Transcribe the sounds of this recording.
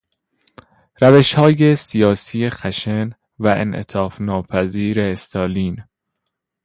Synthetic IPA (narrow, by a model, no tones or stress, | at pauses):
ɾæveʃhɒːje̞sijɒːsijexæʃen | væʔḛnʔḛt̪ʰɒːfnɒːpʰæziːɾe̞ːst̪ɒːliːn